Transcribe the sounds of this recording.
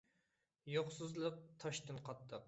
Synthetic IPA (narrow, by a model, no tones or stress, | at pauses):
joχsɨzlˠəq̚t̪ʰɑʃt̪ɨnqʰɑt̪ʰːəq